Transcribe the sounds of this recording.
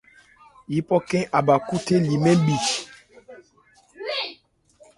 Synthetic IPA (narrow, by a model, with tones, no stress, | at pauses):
ji˦pɔ˦kɛ̃˦ʔa˨ba˨ku˦te˦li˨mɛ̃˦bi˨